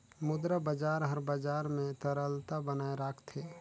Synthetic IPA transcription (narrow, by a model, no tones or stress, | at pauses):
mʊd̪ɾabad͡ʒaːɾɦəɾbad͡ʒaːɾmẽt̪əɾəlt̪abənaːeɾaːkt̪ʰeː